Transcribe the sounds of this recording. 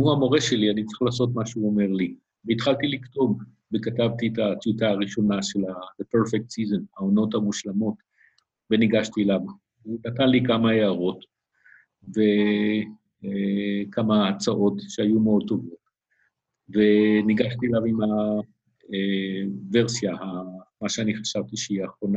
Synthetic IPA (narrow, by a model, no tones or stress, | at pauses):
muamo̞ʁeʃe̞lianitt͡sʁi̥χlaːso̞t̪̬maʃeuo̞me̞ʁli | veitχalt̪iliktom | vekatavt̪itat͡sutaːʁiʃo̞naʃelaðepeʁfek̚t̪sizonaono̞thamuʃlamo̞t | veniɡaʃtilav | unatanlikamaeaʁo̞t | ve̞ | kʰamaːt͡saʔo̞t̪ʃeajumeod̚t̪o̞vo̞t | ve̞niɡaʃtilavima | veʁsjahamaʃeaniχḁʃavtiʃeiaχʁo̞na